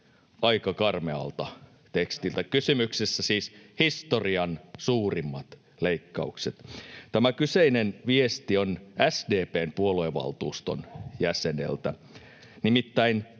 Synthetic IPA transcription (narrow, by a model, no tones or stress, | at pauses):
ɑikɑkɑrmeɑ̰lt̪ɑ | t̪ekst̪ilt̪ækysymyksesːæsiːshist̪oriɑnsuːrimːɑt̪ | leikːɑ̰ukset̪t̪æmækyseinenʋiest̪ionæsdeːpeːmpuolueʋɑ̰lt̪uːst̪o̰njæsenḛlt̪æ | nimit̪ːæin